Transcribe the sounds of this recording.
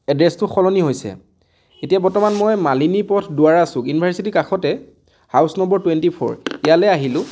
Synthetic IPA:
ɛdɹɛstʊxɔlɔniɦojsɛ̰ | etiabɔɹtɔmanmɔjmalinipɔtʰdʊaɹasʊ̃kjunibʱaɹsitikaxɔtɛ | hawsnɔmbɔɹtwɛntipʰɔ̰ɹijalɛaɦilʊ̃

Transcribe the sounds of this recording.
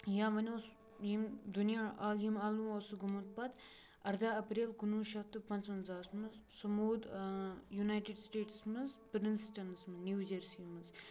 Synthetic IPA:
jãʋɐnʲos | jimd̪unjaaːljimaːlũːɐsuɡumut̪̚pɐt̪ | ɐɾd̪aːɐpɾeːlkunuːʃɐt̪ɨpɐnt͡sɐnzaːsmɨzsɐmoːd̪junaːjʈeɖsʈeːʈsmɨzpɾinsʈɐnsmɨnʲuːd͡ʒɐɾsimɨz

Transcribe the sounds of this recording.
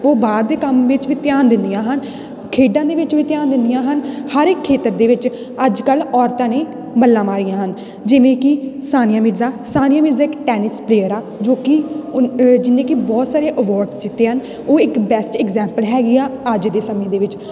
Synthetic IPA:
oːbaːd̪ːeːkəmʋɪt͡ʃʋiːt̪jaːnd̪ɪnd̪ijãːɦən | kʰeːɖãːd̪eːʋɪt͡ʃʋiːt̪ɪjaːnd̪ɪnd̪ijãːɦənhəɾɪkʰːeːt̪əɾd̪eːʋɪt͡ʃ | əd͡ʒkəlɔːɾt̪ãːnẽː | bəlːãːmaːɾijãːɦən | d͡ʒɪʋẽːkɪsaːnɪjãːmɪɾzaːsaːnɪjaːmɪɾzaːɪkʈɛːnɪspleːəɾaː | d͡ʒoːkɪ | d͡ʒɪnːẽːkibɔːt̪saːɾeːʔəʋɔːɾɖsd͡ʒɪt̪ːeːɦən | oːɪkbɛsʈɛkzɛːmpəlɦɛːɡiːaːəd͡ʒd̪eːsəmẽːd̪eːʋɪt͡ʃ

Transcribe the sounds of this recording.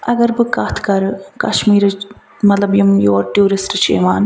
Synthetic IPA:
ɐɡɐɾbɨkaːt̪ʰkɐɾɨkɐʃmiːɾɨ | mɐt̪lɐbjɐmjoːɾʈjuːɾisʈɨt͡ʃḛːmaːn

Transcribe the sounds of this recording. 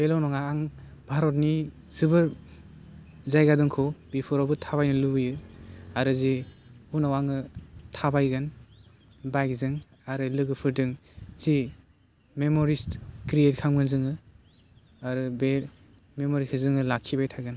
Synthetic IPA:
belɔwnɔŋaaŋbʱaɾɔt̚ni | z̥ɯbɯɾ | zajɡadɯŋkʰɔbipʰɔɾɔbɯtʰaβajnɯlubɯjɯaɾɯziunawaŋɯtʰabajɡɯn | bajkzɯŋ | aɾɯlɯɡɯpʰɯɾdɯŋz̥i | memɔɾistkɾiet̚kʰaŋmɯnzɯŋɯ | aɾɯbel | memɔɾikʰɯzɯŋɯlakʰibajtʰaɡɯn

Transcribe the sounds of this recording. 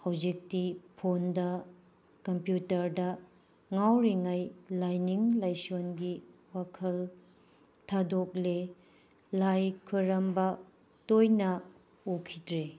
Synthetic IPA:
hawzik̚tipʰondɐ | kɐmpjutɐɾdɐ | ŋawɾiŋajlajniŋlajsonɡiwakʰɐl | tʰadok̚le | lajkʰuɾɐmbɐ | tojnɐ | ukʰidɾe

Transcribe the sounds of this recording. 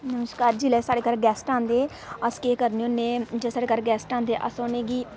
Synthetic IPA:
nəməskaːɾd͡ʒiːlɛːsaːɽeːkaːɾɡɛːsʈãːnd̪eː | əskeːkəɾneoːnẽːd͡ʒesaːɽeːkaːɾɡɛːsʈãːnd̪eːʔə̰soːnẽːɡiː

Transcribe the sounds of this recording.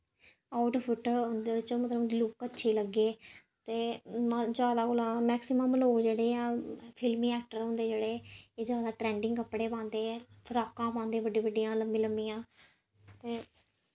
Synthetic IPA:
aːʊʈpʰʊʈɦʊ̃nd̪eːɪt͡ʃõːmət̪ləb̪ilʊkətːʃʰiːləɡeː | t̪eːmd͡ʒjaːd̪aːɡʊlãːmɛːksɪməmloːd͡ʒeːɽeːãːpʰɪlmĩːɛːk̚ʈəɾɦʊ̃ːnd̪eːd͡ʒeːɽeːeːd͡ʒjaːd̪aːʈɾɛ̃ːɳɖɪ̃ŋɡkəpɽeːpãːnd̪eːɛpʰəɾaːkãːpãːnd̪eːbəɖiːbəɖijãːləmbĩːləmbiːjãː | t̪eː

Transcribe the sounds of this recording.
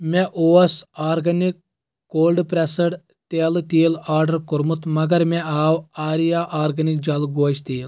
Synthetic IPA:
mʲɛʔoːɐsaːɾɡɐnikː | oːlɖpɾesɐɽ | t̪eːlɨt̪iːlaːɾɖɐɾkuɾmut̪mɐɡɐɾmɛaːwaːɾijaːʔaːɾɡɐnik̚d͡ʒɐlɡoːʃt̪iːl

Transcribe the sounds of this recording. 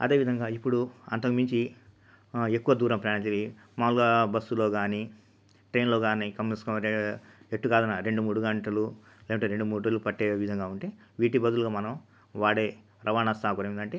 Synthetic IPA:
ɐ̰d̪e̞ːʋid̪ʱɐŋɡaːipːuɽuɐ̰nt̪ɐkumiɲt͡ʃi | e̞kːuʋɐd̪uːɾɐmpɾaːɳɐt͡ʃeli | maːulɡaːbɐsːulo̞ːɡaːni | ʈɾeːnlo̞ːɡaːnikɐmiskɐm | eʈːukaːd̪ɐnːaːɾe̞ɳɖumuːɽuɡɐɳʈɐlu | lɛːkɐɳʈːeːɾe̞ɳɖumuːʈɐlupɐʈːeːʋid̪ʱɐŋɡaːuɳʈeːʋiːʈibɐd̪uluɡaːmɐnɐm | ʋaːɽeː | ɾʔɐʋaːnɐst̪aːkuɾɐmind̪ɐɳʈeː

